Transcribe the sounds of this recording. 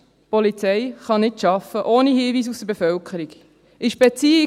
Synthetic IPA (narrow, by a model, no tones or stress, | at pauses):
pɔlit͡sɛɪχɑnɪtʃɑfəʔoːnihiːviːs̬usd̥əɾbefœlkʰəɾiɡ | ʔɪʃb̥ɛt͡siːɪ